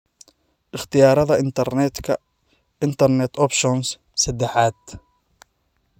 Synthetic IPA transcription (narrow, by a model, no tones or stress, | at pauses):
ʔɪχt̪ʰɪjaːɾɐðɐʔɪnt̪ʰɐrnɛt̪kʰɐ | ʔɪnt̪ʰɐrnɛt̪ʰɔpʃɔns | sɛd̪ɛħaːd̪